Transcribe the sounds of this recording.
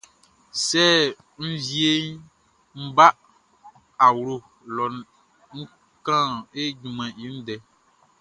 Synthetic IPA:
sɛ˦˨ | n̩˦vi˦e˦ | m̩˦ba˦ | a˨wɾo˨ | lɔ˨n | ŋ̩˦ | kã˦˨e˦d͡ʒũ˨mɛ̃˨i˦n̩˦dɛ˨˦

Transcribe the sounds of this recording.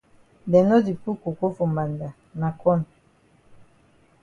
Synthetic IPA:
bɛ˨nɔ˦di˨pu˦ko˨ko˦fo˨ma˨nda˨ | na˨kɔ˦˨n˨

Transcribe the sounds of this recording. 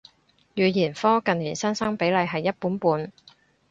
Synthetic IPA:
jyː˨˩jiː˨˩nfɔː˥kɐ˨nːyː˨˩nsɐ˥nsɐ˥ŋpe˨˥jlɐ˨˧jɦɐ˨jːɐ˥t̚puː˨˥npuː˨˧n

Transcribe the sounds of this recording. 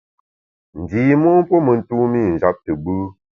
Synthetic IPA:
n̩˨diː˨mɔ˦m̩˦po˦mə˨n̩˨tu˦mi˦˨n̩˨d͡ʒa˦p̚tə˨bɨ˦

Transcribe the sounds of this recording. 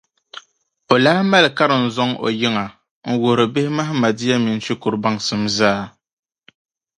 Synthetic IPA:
o˨laː˦ma˦lka˦ɾɨ˨n̩˨zɔ˦ŋo̰˨ji˦ŋa˨ | ŋ̩˨wo˨ɾɨ˨be˦hɪ˦ma˦ɦma˨di˦ja˦mi˨n̩˦t͡ʃi˦ku˨ɾba˦ŋsɨ˦mzaː˦

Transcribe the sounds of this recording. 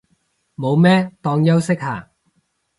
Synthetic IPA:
mo˨˧wmɛː˥t̪ɔː˧ŋjɐ˥wsɪ˥k̚haː˨˩

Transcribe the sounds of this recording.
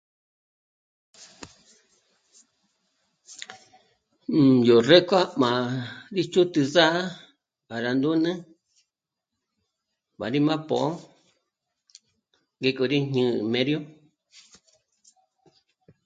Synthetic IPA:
jo˨re˦kʷa˦mã˨ɾi˦t͡ʃu˦t̪ɨ˧za˦ʔa˦ | a˨ɾa˧nd̪u˦nɨ̃˦ | βa˨ɾi˦mã˦põ̰˨ʔo˦ | ɡe˧ko˧ɾi˦ɲɨ̃˧˦˧mẽ˦ɾjo˦

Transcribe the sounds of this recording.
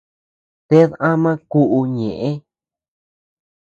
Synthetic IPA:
t̪e˦ðã˦mã˦ku˦ʔu˧ɲẽ˨ʔẽ˦

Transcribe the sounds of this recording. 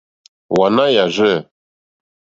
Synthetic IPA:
wa˨na˦ja˨ʒɛ˦˨

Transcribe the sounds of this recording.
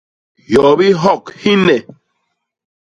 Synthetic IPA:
jɔ˨bi˦ɦɔ˦˨khi˦nɛ˨

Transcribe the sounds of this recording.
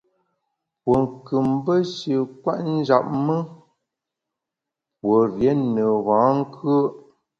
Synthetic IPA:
wo˨ŋ̩˨kɨ˨mbə˦ʃə˨kwa̰˦ʔn̩˦d͡ʒa˨p̚mə˦ | wo˨ɾjɛ˨˦nə˨ɣãː˨˦ŋ̩˦kʰə˦

